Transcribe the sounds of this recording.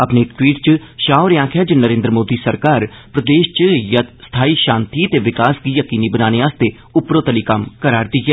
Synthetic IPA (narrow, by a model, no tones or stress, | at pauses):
əpneːkʈwiːʈ̚t͡ʃəʃaːoɾãːkʰjaːd͡ʒənəɾẽːnd̪ɾəmoːd̪iːsəɾkaːɾpɾəd̪eːʃt͡ʃjət̪st̪ʰaːiːʃaːnt̪iːət̪eːʋɪkaːsɡiːjəkiːniːbənaːneːaːst̪eː | ʊpɾõːt̪əliːkəmkəɾaːɾd̪iːɡɛː